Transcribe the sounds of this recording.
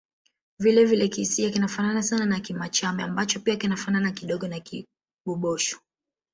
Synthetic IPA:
vilɛvilɛkisiakinafananasananakimat͡ʃamɛambat͡ʃɔpiakinafananakiɗɔɠɔnaki | ɓuɓɔʃɔ̥

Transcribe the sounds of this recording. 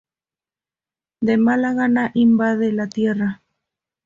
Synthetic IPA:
d̪e̞malaɣanaʔimbaðelat̪je̞ra

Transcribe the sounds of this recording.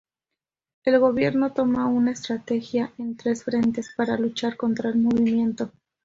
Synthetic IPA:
e̞lɣo̞βje̞ɾno̞t̪o̞maunaest̪ɾat̪e̞xjaʔe̞nt̪ɾe̞sfɾe̞nt̪e̞spaɾalut͡ʃaɾko̞nt̪ɾaelmo̞βimje̞nt̪o̞

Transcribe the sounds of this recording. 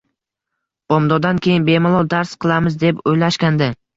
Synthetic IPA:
b̥ɒmd̪ɒd̪ankʲʰejɪnbemalˠɒd̪aɾsqʰɨlˠamɪzd̪e̞pojlaʃkʲand̪ɪ

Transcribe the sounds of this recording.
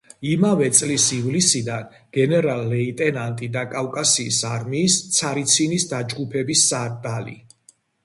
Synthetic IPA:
imavɛt̪sʼlisivlisid̪an | ɡ̥ɛnɛɾalːɛit̪ʼɛnant̪ʼid̪akʼafkʼasiːsaɾmiːst̪sʰaɾit̪sʰinisd̪ad͡ʒɡupʰɛbisːad̪alḭ

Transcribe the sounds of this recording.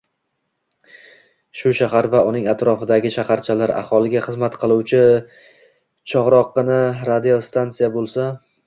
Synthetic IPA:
ʃʊʃaɦaɾvaʊnɪŋat̪ɾɒfɪd̪aɡʲɪʃahaɾt͡ʃʰalaɾa̰hɒlˠɪɡʲaχɨzmat̪qʰɨlˠuwt͡ʃʰɪ | t͡ʃʰɒʁɾɒqːɨnɪɾad̪ijo̞st̪ʰant̪sijabolˠsa

